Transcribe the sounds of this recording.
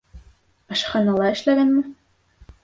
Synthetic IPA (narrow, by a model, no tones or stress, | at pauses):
ɤ̆ʃχɑnɑlˠɑɘ̆ʃlæɡænmɘ